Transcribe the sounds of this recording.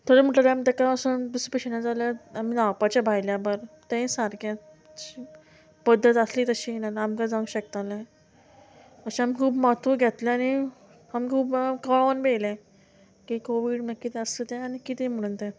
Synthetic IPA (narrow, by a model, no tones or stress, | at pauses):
t̪ʰoɾem̤əʈalãamit̪ekaəsəb̪uspəɕenad͡zalaamiːnawpat͡ɕjabʱajljabəɾt̪ɛ̃saɾkʰjã | t͡ɕi | pəd̪ʱːət̪əsliːt̪əɕinalamkãd͡zaũɕək̚t̪alẽ | əɕĩamikʰuːpmat̪ʰuɡʱjɛt̪lẽaɽ̃i | amikʰuːpkəɭanbejlɛ̃ | kikoʋiːɽmə̃kːit̪ʰɛəslet̪ɛ̃añikit̪ẽm̤əɽ̃uːnt̪ɛ̃